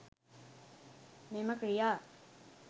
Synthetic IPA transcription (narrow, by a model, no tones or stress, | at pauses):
meməkɾijaː